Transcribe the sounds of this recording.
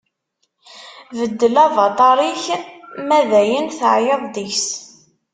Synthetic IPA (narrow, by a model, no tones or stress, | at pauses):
vəd̪ːəlɑvɑt̪ˤɑɾˤiçmæðæjənθəʕjəðˤd̪içs